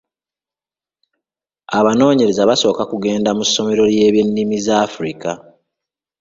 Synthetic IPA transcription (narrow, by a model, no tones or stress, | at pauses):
aβano̞ːɲe̞ɾe̞zaβaso̞ːkakuɡe̞ːndamusːo̞me̞ɾo̞lje̞ːβjenːimizaːfɾika